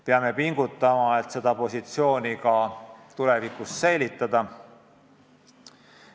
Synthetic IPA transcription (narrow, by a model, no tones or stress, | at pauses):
peɑme̞piŋɡ̥ut̪ːˑɑmɑe̞t̪se̞d̪̥ɑpo̞sit̪sio̞ːnikɑt̪ule̞vikussejlʲit̪ːˑɑd̪̥ɑ